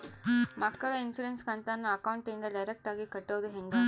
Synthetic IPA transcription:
mɐkːɐɭɐinsuːɾenskɐnt̪ɐnːɐːkɐwɳʈind̪ɐɖɐjɾek̚ʈaːɡikɐʈːoʋɐd̪uɦeŋɡɐ

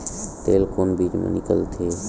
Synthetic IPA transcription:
t̪eːlkoːnbʱiɡmḛnɪkə̰lt̪ʰe

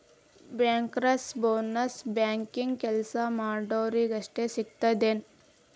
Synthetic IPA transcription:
bjaːŋkɾɐsboːnɐsbjaːŋkiŋɡkɛlsamaːɖoːɾiɡɐʂʈesiɡ̚t̪ɐd̪en

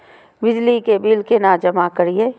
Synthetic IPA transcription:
bɪd͡ʒlikebiːlkenaːd͡ʒəmakəɾieː

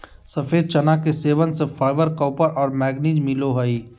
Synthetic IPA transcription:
sɐfʰeːd̪̚t͡ʃɐnakeseːʋənsepʰaːɪbəɾkɔːpəɾʔɔːɾmɛːɡniːd͡ʒmɪloɦəi

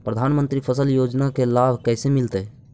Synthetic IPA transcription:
pɾəd̪ʱaːnmə̃nt̪ɾipʰəsəljoːd͡ʒnakelaːbʱkɛːsemɪlt̪e

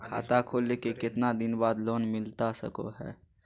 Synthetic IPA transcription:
kʰa̰ːt̪akʰoːlːekekɪt̪nad̪ɪnbaːd̪loːnmɪlt̪asə̰ko̰ɦɛ̰ː

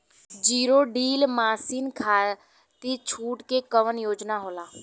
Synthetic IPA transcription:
d͡ʒiːɾoːɖiːlmaːsiːnkʰaː | t̪it͡ʃʰuːʈkekəʋənjoːd͡ʒnaɦoːlaː

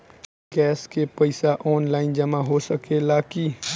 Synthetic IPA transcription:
ɡɛːskepəɪsaʔɔːnlaːɪnd͡ʒɐmaɦosəkelaːkiː

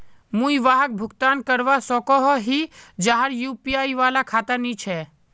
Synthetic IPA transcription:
mũiʋaːɦək̚bʱʊkt̪aːnkəɾʋasɔːkɔɦɔɦid͡ʒaɦəɾjuːpijaːiʋaːlakʰaːt̪əɾnĩt͡ʃʰɛ

